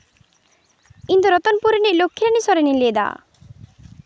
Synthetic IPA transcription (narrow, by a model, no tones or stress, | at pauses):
kint̪uɾɔt̪ɔnpuɾeniʔlokʰːiɾanisɔɾenilied̪a̰